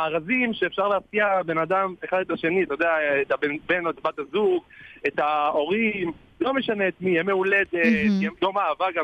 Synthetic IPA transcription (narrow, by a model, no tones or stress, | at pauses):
aːʁazimʃeːfʃaʁleaskiabe̞nad̪ame̞χad̪et̪aʃe̞niat̪ajod̪eaet̪abenbe̞noet̪bat̪azuɡet̪ao̞ʁim | lo̞meʃaneːt̪mijeme̞uled̪eemjomaːvaɡa